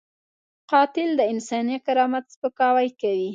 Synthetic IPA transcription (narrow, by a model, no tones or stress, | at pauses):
qɑt̪ɪld̪əɪnsɑniakaɾɑmat̪spəkɑwajkawi